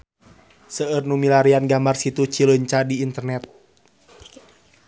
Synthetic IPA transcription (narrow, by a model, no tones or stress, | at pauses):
səərnumilaɾianɡambarsit̪ut͡ʃiləɲt͡ʃadiːnt̪ərnɛt̪̚